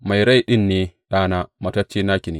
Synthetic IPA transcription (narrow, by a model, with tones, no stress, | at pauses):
ma˨jɾa˦jɗɪ˦nːeː˨ɗaː˦naː˦mɐ˨tɐ˦t͡ʃeː˦naː˦kʲɪ˨ni˨